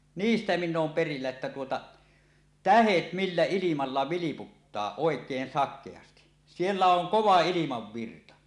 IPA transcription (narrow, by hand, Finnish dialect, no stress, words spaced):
niːstæ minː oːm perilːæ etːæ tuotɑ tæhet milːæ ilimɑlːɑ ʋiliputːɑː oˑekˑeːn sɑkˑeɑsti sielːæ oŋ koʋɑ ilimɑʋːirtɑ